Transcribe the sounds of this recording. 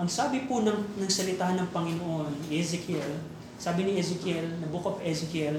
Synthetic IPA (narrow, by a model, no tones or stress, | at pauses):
ʔɐŋsaːbɪpʊnɐŋnɐɡsɐlɪt̪aːɦhɐnːɐŋpɐŋɪnoʔonɛzɛkjɛl | saːbɪnɪʔɛzɛkjɛlnɐbukɐpɛzɛkjɛl